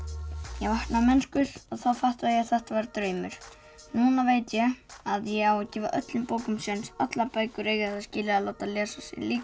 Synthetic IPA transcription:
jɛɣvahknamɛnskʏɾ̥aðθawfaht̪vaðjɛθɛht̪avaɾt̪ɾœːɥmʏɾ̥ | nuːnaveːjt̪jɛɣaðjɛɣawacɪːva̰ʔœ̰t̪lɪmpoːwkʏmsɛnsat̪lapaːjkʏɾeːjɣɪaθascɪːlɪaðlaːwt̪alɛːsasɛ̰liːk

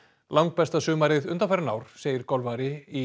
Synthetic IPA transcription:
lʔawŋk̚pɛst̪asʏːmaɾɪðʏnt̪anfɛɾʏna̰ːwɾ̥seːjɪɾkɔlvaɾɪi

